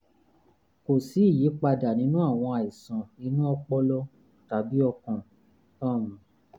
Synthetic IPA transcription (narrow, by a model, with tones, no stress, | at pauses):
ko˨si˨˦i˦˨ji˨˦k͡pa˧da˨nĩ˨˦nũ˦a˦˨w̃ɔ̃˧a˨i˨sã˨nĩ˧˦nũ˦ɔ˧k͡pɔ˧lɔ˦ | ta˨bi˦ɔ˧kɔ̃˨ | tã˦˨mũ˨